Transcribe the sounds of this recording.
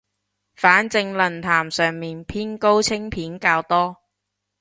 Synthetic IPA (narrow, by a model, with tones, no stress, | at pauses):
faː˨˥nt͡sɪ˧ŋlɐ˨˩nt̪ʰaː˨˩msœː˨ŋmiː˨npʰiː˥nko˥wt͡sʰɪ˥ŋpʰiː˨˥nkaː˧wt̪ɔː˥